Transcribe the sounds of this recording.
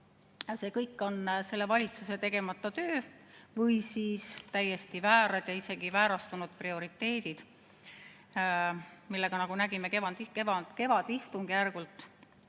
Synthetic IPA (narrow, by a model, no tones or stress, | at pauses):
se̞ːkɤjkːˑo̞nse̞lːe̞vɑlʲit̪suse̞t̪e̞ɡ̥e̞mɑt̪ːˑɑt̪ø̞ːvɤjsiːst̪æjːe̞st̪ivæːɾɑd̪̥jɑise̞ɡ̥ivæːɾɑst̪unud̪̥prio̞ɾit̪ˑːe̞ːd̪̥id̪̥ | milːe̞ɡ̥ɑnɑɡ̥unæɡ̥imekevɑnd̪ikevɑke̞vɑd̪̥ist̪uŋɡ̥ijærɡ̥ult̪ːˑ